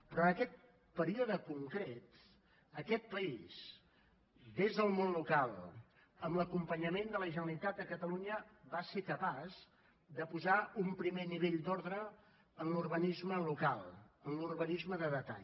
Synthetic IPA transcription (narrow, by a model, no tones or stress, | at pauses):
pɾɔəkɛt̪̚ | pəɾioðəkuŋkɾet̪ | əkɛt̪̚pəiz̥ | d̪ezðəlˠmonlukalˠ | əmləkumpəɲəmend̪ələʒənəlit̪at̪̚əkət̪əluɲəβasekəpaz | d̪əpuzaumpɾimeniβeʎd̪ɔɾðɾə | ənluɾβənizməlukalˠənluɾβənizməðəðət̪a̰ʎ